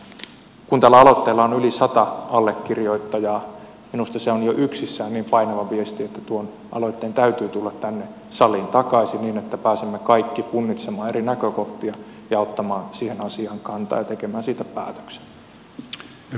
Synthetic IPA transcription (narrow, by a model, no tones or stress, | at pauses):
kunt̪ælːæɑlot̪ːeːlːɑonylisɑt̪ɑɑlːekːirjoit̪ːɑjɑː | minust̪ɑseonjoʔyksisːæːnniːmpɑinɑʋɑʋiest̪iet̪ːæt̪uon | ʔɑ̰loit̪ːeːnt̪æyt̪yːt̪ulːɑt̪t̪ænːe | sɑliːnt̪ɑkɑisiniːnet̪ːæpæːsemːekɑikːipunːit̪semɑːerinækøkoht̪iɑ | jɑot̪ːɑmɑːnsihenɑsiɑːŋkɑnt̪ɑ̰ːjɑt̪ekemæːnsiːt̪æpæ̰ːt̪ø̥kse̥